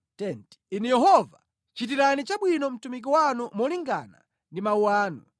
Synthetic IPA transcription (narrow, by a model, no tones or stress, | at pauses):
tɛnti̥inijɛɦɔva | t͡ʃit̬iɾanit͡ʃaɓwinɔm̩tumik̬iwanumɔliŋɡa̰na̰ | ndimauwaːnṵ